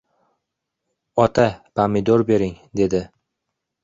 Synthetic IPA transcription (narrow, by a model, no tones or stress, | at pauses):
ɒt̪ʰapʰamɪd̪oɾbe̞ɾɪŋd̪e̞d̪ɪ